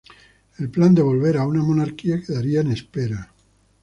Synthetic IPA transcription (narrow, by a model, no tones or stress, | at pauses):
elpland̪eβ̞olβeɾaunamonaɾkiakeðaɾianespeɾa